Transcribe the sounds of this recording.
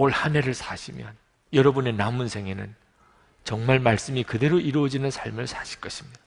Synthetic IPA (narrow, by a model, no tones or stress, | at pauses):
oɭhane̞ɾɯɭsʰaɕʰimjʌ̰n | jʌɾʌbune̞namunsʰe̞ŋenɯ̰n | t͡ɕʌŋmaɭmaɭs͈ɯmikɯde̞ɾoʔiɾuʌd͡ʑinɯnsʰaɭmɯɭsʰaɕʰi̥ɭk͈ʌɕʰimɲid̥aa